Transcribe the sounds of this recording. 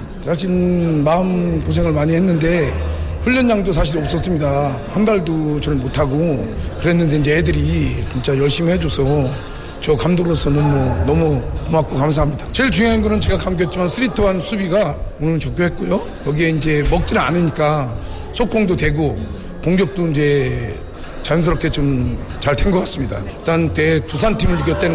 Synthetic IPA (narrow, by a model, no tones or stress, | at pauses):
sʰaɕ̬ʰimaɯmkos̬ʰe̞ŋɯɭmaɲihe̞nːɯnde̞ɸuɭːʌnd͡ʑaŋdos̬ʰaɕ̬ʰiɾʌp̚s͈ʌs͈ɯmɲida | handaɭdot͡ɕʌnɯmotʰaɡokɯɾɦe̞nːɯnde̞ind͡ʑe̞edɯɾit͡ɕint͡ɕ͈ajʌɭɕ͈imiɭhed͡ʑosʰʌ | t͡ɕʌkamdoɾɾosʰʌnʌmunʌmukomak͈okams̬ʰaɦamɲidat͡ɕeɭt͡ɕuŋeɦanɡʌɾɯnt͡ɕe̞ɡakamɡjʌt̚t͡ɕ͈imansʰɯɾitʰʌɦansʰubiɡaunnt͡ɕʌk͈̚joɦet̚k͈ojo | kʌɡie̞ind͡ʑe̞mʌk̚t͡ɕ͈ina̰nɯɲik͈a | sʰok̚k͈oŋdotwe̞ɡo | koŋɡjʌk̚t͈oind͡ʑe̞ | t͡ɕajʌms̬ʰʌɾʌpkʰe̞t͡ɕomt͡ɕaɭtʰeŋɡʌkas͈ɯmɲida̰it͈ante̞tusʰantʰimɯɭːɯɡjʌt͈̚en